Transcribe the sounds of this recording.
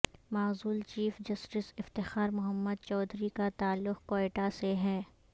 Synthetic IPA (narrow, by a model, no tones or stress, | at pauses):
maːzuːlt͡ʃiːfd͡ʒɐsʈɪsɪft̪ɪxaːɾmʊɦəmːəd̪̚t͡ʃɔːd̪ʱɾikat̪aːlːʊqkoːeːʈaseɦɛː